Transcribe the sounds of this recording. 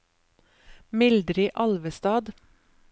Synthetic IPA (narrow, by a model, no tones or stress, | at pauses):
mɪld̪ɾɪʔɑlʋəst̪ɑːd̪